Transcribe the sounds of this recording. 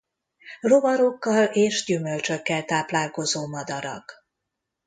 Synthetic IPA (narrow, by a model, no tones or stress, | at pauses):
ro̞vɒɾo̞kːɒleːʃɟymølt͡ʃø̞kːɛlt̪aːplaːlko̞zoːmɒd̪ɒɾɒ̰k